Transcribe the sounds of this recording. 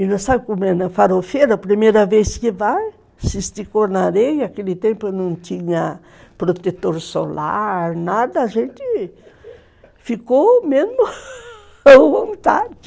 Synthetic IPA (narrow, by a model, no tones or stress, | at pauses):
inəsabikomenəfaɾofeɾəpɾimeɾəveskiva | sisi̥t̪ikonaɾejakelit̪empanunt̪iɲə | pɾot̪et̪oɾisola̰ɾnad̪əːʒent̪i | fikomenu | aamit̪a̰d̪i̥kʲ